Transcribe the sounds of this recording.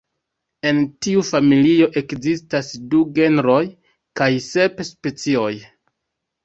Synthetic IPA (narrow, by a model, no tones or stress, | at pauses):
e̞ntiufamilio̞ʔe̞kzistasduɡe̞nɾo̞j | kajse̞pspe̞t͡sio̞j